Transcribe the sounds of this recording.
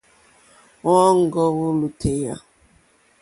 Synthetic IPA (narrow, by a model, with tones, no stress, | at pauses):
ŋɔ˦ŋ̩˦ɡɔ˦ɣʊ˦lu˨tʰe˨ja̰˦